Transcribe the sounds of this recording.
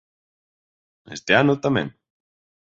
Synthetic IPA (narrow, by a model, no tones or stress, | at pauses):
ḛst̪eanʊt̪amɛ̰̃ŋ